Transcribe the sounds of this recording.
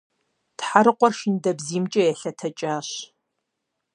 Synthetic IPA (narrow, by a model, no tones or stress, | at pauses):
tħaɾɨqʷɔrʃɪndɐbziːmt͡ʃʼɐjɛɬɐtʰɐt͡ʃʼaːɕ